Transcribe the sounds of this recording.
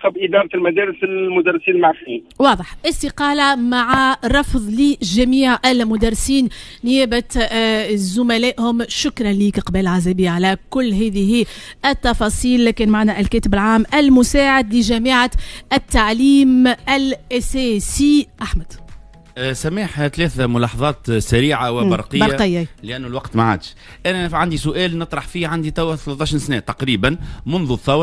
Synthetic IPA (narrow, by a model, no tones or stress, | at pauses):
qɑbʔɪd̪ɑːɾˤɪlmæd̪ɛːɾɪsɪlmʊd̪ærˤːsiːnlmaʕxiːnwɑːðˤəħʔɪst̪ɪqɑːlamaʕaɾˤɑfðˤliʒæmiːʕælmʊd̪ɑɾˤːɪsiːnːɪjɛːbæ | zʊmælɛːʔhʊmʃʊkɾˤɑnliːkqbæːllʕazæːbiʕalækʊlːɦɛːðɪɦi | ʔɪt̪ːɑfɑːsˤiːlkɛːnmaʕaːnæʔælkɛːt̪ɪbɪlʕaːmʔɪlmʊsaːʕɪd̪lɪʒæmiʕaɪt̪ːaʕliːmælʔæsɛːsiʔaħmæd̪̥ | sæmaːħt̪lɛːθæmʊlɑːħɑðˤɑːt̪sæɾiːʕawɪbɑɾˤqəjɑɾːaqɪjːalɪʔænːulwɑqt̪maʕa̰ːd̪ʃ | ʔænɛʕand̪isʊʔɛːlnɨt̪ˤɾˤɑħfiːʕand̪it̪æwθlɑt̪ˤːɑʃinsnɛːt̪ɑqɾiːbænmʊnðuθːɑwɾˤ